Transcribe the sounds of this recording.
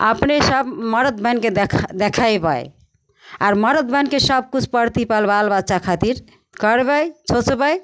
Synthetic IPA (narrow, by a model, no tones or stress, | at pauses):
ə̰pnesəbməɾət̪̚bʱənked̪ʰd̪ekʰajbə̰j | aɾməɾət̪̚bʱənkesəb̚kut͡ʃʰpəɾt̪ipalbalbaʃakʰat̪iɾ | kəɾbəjt͡ʃʰot͡ʃbəj